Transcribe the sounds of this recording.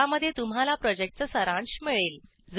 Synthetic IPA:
aməd̪ʱːjet̪umɦalapɾɔd͡ʑek̚ʈ̚t͡səsəɾãɳɕmiɭel | d͡z

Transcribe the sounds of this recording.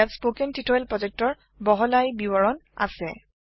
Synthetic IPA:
atspokɛntitʰɔjlpɹɔzɛk̚tɔɹ | bɔɦɔlajbibɔɹɔna̰sɛ

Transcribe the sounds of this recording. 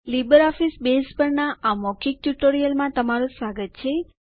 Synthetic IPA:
libəɾɔfisbespəɾnaʔamɔkʰik̚ʈuʈoɾijəlmãt̪əmaɾũsaɡət̪t͡ʃʰe

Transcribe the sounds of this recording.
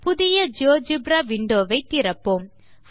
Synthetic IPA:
pʊðɪjɐd͡ʒoːd͡ʒɪbɾaʋɪɳɖoːʋɐɪt̪ːɪɾɐpːoːm | f

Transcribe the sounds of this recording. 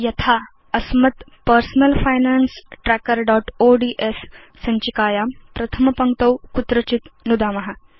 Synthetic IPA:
jɐt̪ʰa | əsmət̪pəɾsnəlfajnansʈɾækəɾɖɔʈoɖiʔesː | əɲt͡ɕikaːjampɾɐt̪ʰəmpəŋɡt̪əwkut̪ɾət͡ɕit̪nud̪amɐɦa

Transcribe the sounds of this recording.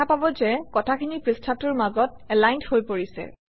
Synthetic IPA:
apabɔzɛkɔtʰakʰinipɹistʰatʊɹmaɡɔt̚ɛlajnthojpoɹisɛ̰

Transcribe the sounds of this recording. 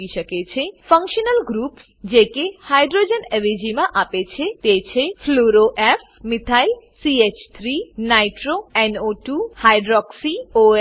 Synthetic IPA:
iʃəket͡ɕʰefə̃ŋkʃənəlɡɾups | d͡ʒekehajɖɾod͡ʒenɛʋid͡ʒimãʔapet͡ʃʰet̪et͡ɕʰepʰloɾoʔef | mit̪ʰajlsiet͡ʃt̪ʰɾinajʈɾoɛnoʈuhajɖɾɔksio

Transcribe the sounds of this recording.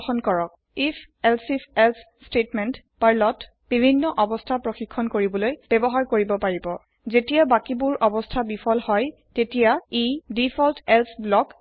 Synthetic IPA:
xɔnkɔɹɔk̚ | ipʰ | ɛlsipɛls | stetmɛnt | paɹlɔt | b̥ibʱinːɔʔɔbɔstʰapɹɔxikʰːɔnkoɹibɔlojb̥ɛbɔɦaɹkoɹibɔpaɹibɔ | zetijabakibuɹʔɔbɔstʰabipʰɔlhɔj | tetijaidipʰɔltɛlsblɔk

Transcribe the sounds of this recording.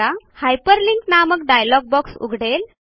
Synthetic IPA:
ahajpəɾliŋknamək̚ɖajlɔɡ̚bɔksṵɡʱɽel

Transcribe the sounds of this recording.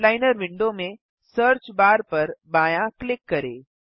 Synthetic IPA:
laːɪnəɾʋɪ̃ɳɖomẽ | səːɾt͡ʃbaːɾpɐɾbaːjãklɪkːɐɾeː

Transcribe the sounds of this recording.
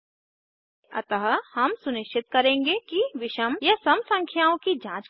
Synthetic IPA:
ɐt̪əɦhɐmsʊnɪʃt͡ʃʰɪt̪̚kɐɾẽːŋɡekiʋɪʃəmjɐsɐmsɐ̃ŋkʰjaːõkid͡ʒãːt͡ʃ

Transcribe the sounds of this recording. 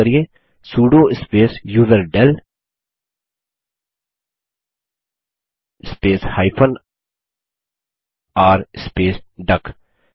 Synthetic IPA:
əɾije | suːɖoːɪspeːsjuːd̪əɾɖɛl | ɪspeːshaːɪpʰən | aːɾɪspeːsɖək

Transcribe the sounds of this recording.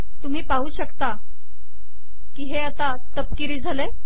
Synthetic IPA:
t̪um̤iːpaɦuːɕəkt̪a | kiːɦeat̪a | t̪əp̚kiɾiːd͡zʱale

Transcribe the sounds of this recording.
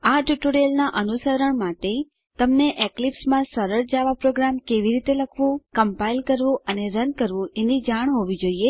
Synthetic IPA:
aʈuʈoɾelnaʔənusəɾəɳmaʈe | t̪əmneʔeklipsmãsəɾəɾd͡ʒaʋapɾoɡɾamkeʋiɾit̪eləkʰʋũkəmpailkəɾʋũʔəneɾənkəɾʋũenid͡ʒaɳ̃ɦoʋid͡ʒoie

